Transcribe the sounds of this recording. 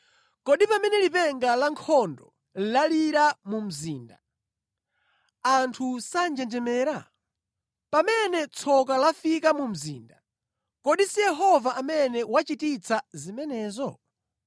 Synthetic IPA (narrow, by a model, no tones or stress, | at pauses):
kɔɗipamɛnɛlipɛŋɡalaŋkʰɔndɔ | laliɾamum̩ziːnda | antʰusand͡ʒɛnd͡ʒɛmɛːɾa | pamɛnɛt͡sʰɔkalafikamum̩ziːnda | kɔɗisijɛɦɔvaʔamɛnɛwat͡ʃitit͡sʰazimɛnɛːzɔ